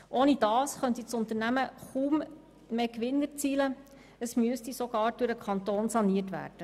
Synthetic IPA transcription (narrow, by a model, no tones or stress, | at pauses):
ʔoːnid̥ɑːsχœnt̪it͡sʊnt̪əɾnæməχuːm | meːkʋɪnːəɾt͡siːlə | əsmyəstisoɡ̥ɑːɾd̥ʊɾəkʰɑnt̪oːnsɑniətʋæ̰ːrd̥ə